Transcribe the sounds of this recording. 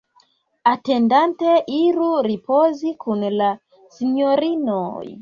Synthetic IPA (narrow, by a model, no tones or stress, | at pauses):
atendanteʔiɾuɾipozikunla | sinoɾino̰j